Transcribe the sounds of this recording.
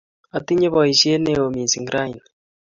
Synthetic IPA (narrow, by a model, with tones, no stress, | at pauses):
a˨t̪i˦ɲe˦βɔ˨i˨ʃe˦ne˦o˨mi˨si˨ŋɡɾa˦i˨n